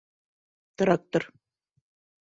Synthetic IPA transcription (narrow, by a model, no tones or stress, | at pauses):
t̪ɤ̆ɾɑk̚t̪ɤ̆ɾ